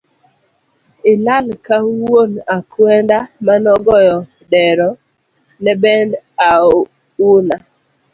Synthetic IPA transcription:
ɪlalkawonakwɛndamanɔɡɔjɔ | dɛɾɔ | nɛbɛnda | una

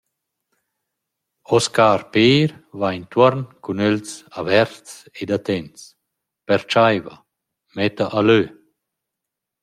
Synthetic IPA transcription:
ɔskaːɾpeːɾvajnt̪wɔɾnkunølsavɛɾts | ed̪at̪ɛns | pɛɾt͡ʃajva̰ | mɛt̪aʔalø

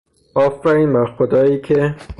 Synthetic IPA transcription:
ɒːfɾæɾiːnbæɾxod̪ɒːjiːcʰe

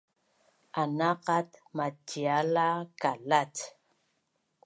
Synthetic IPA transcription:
anaqat̪matːialakalat

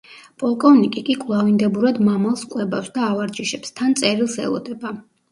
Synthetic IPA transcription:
pʼɔlˠkʼɔvnikʼikʼikʼvlˠavind̪ɛbuɾad̪mamalˠskʼwɛbafsd̪aːvaɾd͡ʒiʃɛpst̪ʰant̪sʼɛɾilˠsɛ̰lˠɔ̰d̪ɛba

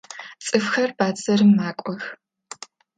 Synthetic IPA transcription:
t͡sʼɨfxɐrbaːd͡zɐɾɨmːaːkʷʼɔx

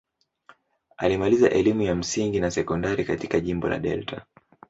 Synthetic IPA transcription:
a̰limaliza̰ʔɛlimujam̩siŋɡinasɛkɔndaɾikatikaʄimbɔla̰ɗɛ̰ltʰa

